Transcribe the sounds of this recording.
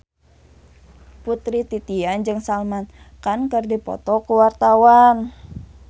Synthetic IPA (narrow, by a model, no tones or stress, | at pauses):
put̪ɾit̪it̪iand͡ʒɨŋsalman | kankərdipɔ̰t̪ɔkuwart̪awan